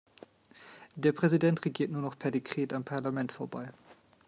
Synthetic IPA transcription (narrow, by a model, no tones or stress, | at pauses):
d̥eːɐpʁ̥ɛzidɛntʁeɡiːɐtnuːɐnɔχpʰɛɐdekʁ̥eːtampʰaɐlamɛntfoːɐba̰ɪ